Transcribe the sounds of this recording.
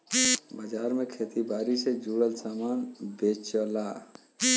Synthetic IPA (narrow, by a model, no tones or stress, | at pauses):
bəd͡ʒaɾmekʰet̪ibaɾised͡ʒuɽəlsamanbet͡ʃəla